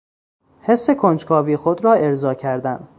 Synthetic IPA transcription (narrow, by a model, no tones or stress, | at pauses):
he̞sːe̞kʰond͡ʒkʰɒːvixod̪ɾɒːe̞ɾzɒːcʰæɾd̪æn